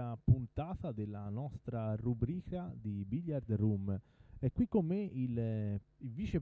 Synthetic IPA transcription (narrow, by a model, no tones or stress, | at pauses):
apunt̪aːt̪ad̪elːanɔst̪ɾarubɾiːkad̪ibiʎːaɾd̪rumɛkːwikːomːeil | ilviːt͡ʃep